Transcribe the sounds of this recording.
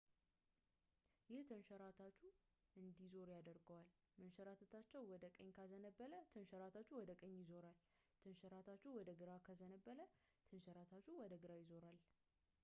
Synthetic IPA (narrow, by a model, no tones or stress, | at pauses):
jɪht̪ʰɨnʃəɾat̪ʰat͡ʃːu | ɨnd̪izo̞ɾjad̪əɾɡəwal | mənʃəɾat̪ʰət̪ʰat͡ʃːɛwwɔd̪əkʼəɲːkʰazənəbːələt̪ʰɨnʃəɾat̪ʰat͡ʃːuwɔd̪əkʼəɲːjɪzo̞ɾal | t̪ʰənʃəɾat̪ʰat͡ʃːuwɔd̪əɡɨɾakʰəzənəbːələ | t̪ʰənʃəɾat̪ʰat͡ʃːuwɔd̪əɡɨɾajɪzo̞ɾal